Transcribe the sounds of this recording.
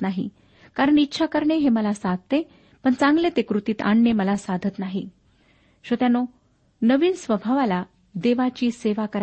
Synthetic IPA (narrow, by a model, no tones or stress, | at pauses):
naɦḭ | kaɾəɳitːɕʰakəɾɳeɦeməlasad̪̚ʱt̪e | pəɳt͡sãŋɡlet̪ekɾut̪iːt̪a̰ɳneməlasad̪ʱət̪naɦi | ɕot̪jano | nəʋiːnsʋəbʱaʋala | d̪eʋat͡ɕiːseʋakəɾ